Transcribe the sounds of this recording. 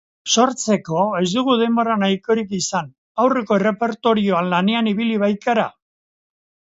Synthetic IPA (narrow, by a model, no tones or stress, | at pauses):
so̞ɾt͡se̞ko̞e̞zd̪uɣ̞uðe̞mbo̞ɾanajko̞ɾikisan | awre̞ko̞ere̞pe̞ɾt̪o̞ɾio̞anlane̞aniβiliβajk̪aɾa